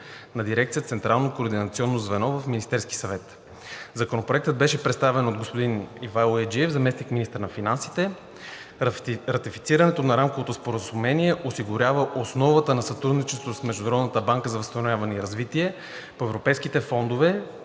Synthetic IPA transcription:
nɐd̪iɾɛk̚t̪iət̪sɛnt̪ɾalˠnokoːɾd̪inɐt̪siɔnːozvɛnɔvɐfminist̪ɛɾski̥sɐvɛt̪ | zɐkonopɾoɛk̚t̪əd̪̚bɛʃɛpɾɛt̪st̪avɛnod̪̚ɡospod̪inivalˠoɛd͡ʒiɛvzɐmɛsnikminist̪əɾnɐfinansi̥t̪ɛ | ɾɐt̪ifi̥t̪siɾənɛt̪onɐɾamkovot̪ospoɾəzumɛniɛʔosiɡʊɾʲjavəʔosnɔvət̪ənɐsɐt̪ɾud̪nit͡ʃɛst̪vosmɛʒd̪unɐɾɔd̪nət̪əbaŋkəzɐvɐst̪ɐnʊvʲjavɐnɛiɾɐzvit̪iɛ | poɛvɾopɛjskit̪ɛfɔnd̪ovɛ

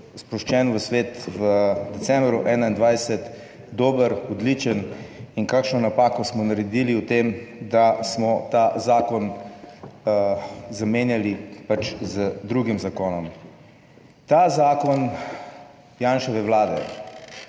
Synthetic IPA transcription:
spɾɔʃt͡ʃɛːnʋəsʋeːt̪ʋəd̪ɛt̪sɛmbɾuʔɛːnaind̪ʋajsɛt̪ | d̪oːbəɾɔd̪lit͡ʃəninkaːkʃnɔnapaːkɔsmɔnaɾɛd̪iliwt̪emd̪asmɔt̪azaːkɔn | zameːnjalipat͡ʃzəd̪ɾuɡimzakoːnɔm | t̪azaːkɔn | jaːnʃɔʋɛʋlaːd̪ɛ̰

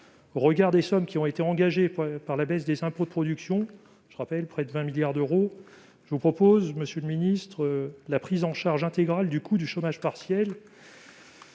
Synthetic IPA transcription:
oʁəɡaʁd̪esɔmkʲiɔ̃et̪eɑ̃ɡaʒepaʁlabɛsd̪ezɛ̃pod̪əpχɔd̪yksjɔ̃ | ʒəʁapɛlpχɛd̪əvɛ̃miljaʁd̪øʁo | ʒəvupχɔpozməsjøləminist̪χəlapχizɑ̃ʃaʁʒɛ̃t̪eɡʁald̪ykʰud̪yʃomaʒpaʁsjɛl

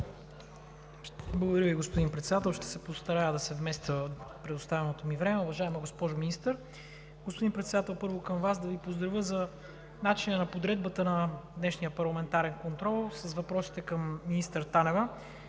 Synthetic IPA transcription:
blˠəɡod̪ɐɾjəviɡospod̪inpɾɛt̪sɛd̪at̪ɛlˠʃt̪ɛ̥sɛpost̪ɐɾad̪ɐsɛvmɛst̪əpɾɛd̪ost̪avɛnot̪omivɾɛmɛʊvɐʒaɛmɛɡospɔʒʊminist̪əɾ | ɡospod̪inpɾɛt̪sɛd̪at̪ɛlˠpɤɾvokɐmvasd̪ɐvipozd̪ɾɐvʲjəzɐ | nat͡ʃinənɐpod̪ɾɛd̪̚bət̪ənɐd̪nɛʃnijəpɐɾlˠɐmɛnt̪aɾɛnkont̪ɾɔlˠsɐsvɐpɾɔsi̥t̪ɛkəmːinist̪əɾt̪anɛvə

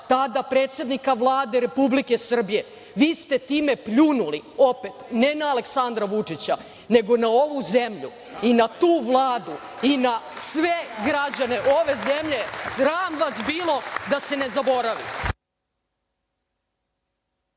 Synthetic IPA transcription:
t̪ad̪apɾeːt̪sje̞d̪nikaʋlˠaːd̪e̞ɾe̞publike̞sr̩bije̞ | ʋiːst̪e̞t̪iːme̞pʎunuliope̞t̪ne̞naːle̞ksand̪ɾaʋut͡ʂit͡ɕa | neɡo̞nao̞ʋuzemʎṵ | inat̪uːʋlˠaːd̪u | inasʋeɡɾad͡ʑane̞ʔoʋe̞zemʎe̞sɾaːmʋasbiːlˠo̞d̪ase̞ne̞zabo̞ɾaʋi

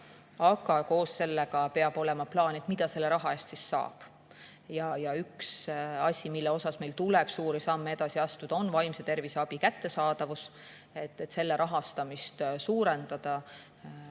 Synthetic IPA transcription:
ɑɡ̥ɑko̞ːsse̞lːeɡ̥ɑpe̞ɑb̥o̞lɛ̞mɑplɑːnet̪mid̪̥ɑse̞lːeɾɑɦɑe̞ːst̪sisːɑ̰ːb̥ | jɑjɑyksɑsʲimilːeo̞sɑsme̞jlt̪ulɛb̥suːɾisɑmːee̞d̪̥ɑsiɑst̪ud̪̥ɑo̞nvɑjmse̞t̪e̞rvise̞ɑb̥ikæt̪ːe̞sɑːd̪̥ɑvus | et̪ːet̪se̞lːe̞ɾʔɑɦɑst̪ɑmist̪suːɾe̞nd̪̥ɑd̪̥ɑ

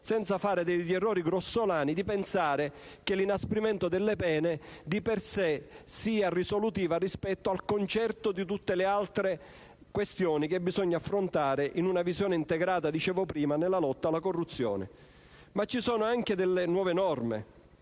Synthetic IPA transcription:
sɛnt̪safaːɾɪd̪eʎɛrːɔːɾiɡɾosːolaːnid̪ipensaːɾe | k̟elinaspɾimɛnt̪od̪ɪlːepɛːned̪ipersesiːarisolut̪iːvarispɛt̪ːoalkont͡ʃɛrt̪od̪it̪ut̪ːelɪalt̪ɾe | kwest̪jɔːnik̟ebizɔɲːaːfːɾont̪aːɾɪʔinunavizjɔːnɪint̪eɡɾaːt̪ad̪it͡ʃɛːvɔpɾiːmanelːalɔt̪ːalːakorːut̪sːjɔ̰ːnḛ | mat͡ʃːisɔːnʊaŋk̟ed̪elːenwɔːvenɔrmḛ

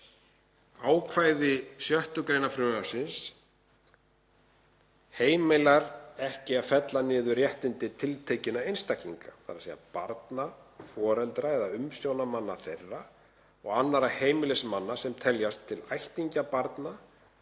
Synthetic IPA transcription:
aːwkʰvajðɪsjœht̪ʏkɾejnafɾʏaɾ̥sɪns | heːjmejlaɾɛhcɪafɛt̪lanɪːðʏrjɛht̪ɪnt̪ɪt̪ʰɪlt̪ʰeːjcɪnaejnst̪akliŋkaθa̰ɾaseja̰paɾt̪nafɔːɾɛlt̪ɾaɛðaʏmsjownamanːaθejrːa | ɔɣanːaɾaheːjmɪlɛsmanːasɛmt̪ʰɛljast̪ʰːɪlajht̪iɲcapaɾt̪na

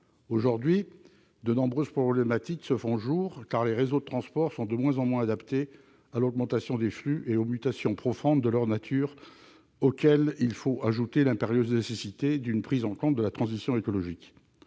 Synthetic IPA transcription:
oʒuʁd̪ɥi | d̪ənɔ̃bʁøzpχɔblemat̪iksəfɔ̃ʒuːʁkaʁleʁezod̪ət̪χɑ̃spɔʁsɔ̃d̪əmwɛ̃zɑ̃mwɛ̃ad̪apt̪e | alɔɡmɑ̃t̪asjɔ̃d̪eflyʔeomyt̪asjɔ̃pχɔfɔ̃d̪ːəlœʁnat̪ʰyʁ | okʲɛlilfoaʒut̪elɛ̃peʁjøznesesit̪ed̪ynpχizɑ̃kɔ̃t̪̚d̪əlat̪χɑ̃zisjɔ̃ekɔlɔʒik

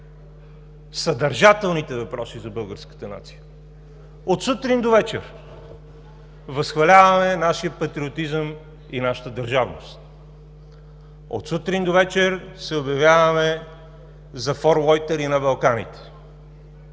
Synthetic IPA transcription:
sɐd̪ɐɾʒat̪ɛlˠnit̪ɛvɐpɾɔsizɐbɤlˠɡəɾskə̥t̪əna̰t̪si̥jə | ot̪sut̪ɾind̪ovɛt͡ʃɛ̰ɾ | vɐsxvɐlʲavɐmɛnaʃijəpɐt̪ɾiot̪izəm | inaʃə̥t̪əd̪ɐɾʒavnost̪ | o̰t̪sut̪ɾind̪ovɛt͡ʃɛɾsɛobjɐvʲjavɐmɛ | zɐfoɾlˠɔjt̪ɛɾinɐbɐlˠkanḭt̪ɛ̥

